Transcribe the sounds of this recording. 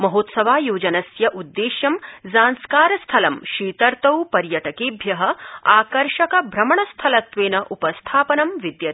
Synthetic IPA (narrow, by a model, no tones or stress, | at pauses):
mɐɦoːt̪sɐʋaːjoːd͡ʒɐnɐsjɐʔud̪ːeːʃjɐmzaːnskaːɾɐst̪ʰɐlɐmʃiːt̪ɐɾt̪ɐwpɐɾjɐʈɐkeːbʱjɐɦɐ̆aːkɐɾʂɐkɐbʱɾɐmɐɳɐst̪ʰɐlɐt̪ʋeːnɐʔupɐst̪ʰaːpɐnɐmʋid̪jɐt̪